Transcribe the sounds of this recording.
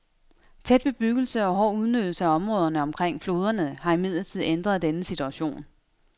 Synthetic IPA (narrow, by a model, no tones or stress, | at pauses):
t͡sʰed̥b̥e̝b̥yɡ̥l̩səɒ̽ɦɒ̰ːuð̞ˠnød̥l̩səæɒ̽mʁɔ̽ːð̞ˠɐnəɒ̽mkʰʁeŋ̰flo̝ːð̞ˠɐnəhɑ̈imið̰ˠlɐt͡sʰið̞̰ˠend̥ʁɐðˠd̥enəsit͡sʰuæɕo̝̰ːn